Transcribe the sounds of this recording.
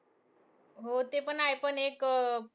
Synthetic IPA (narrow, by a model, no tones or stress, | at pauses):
ɦot̪epənajpənek